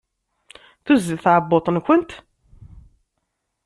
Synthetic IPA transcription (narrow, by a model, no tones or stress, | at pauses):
θuzːəlθʕəbːot̪ˤənkʷənt̪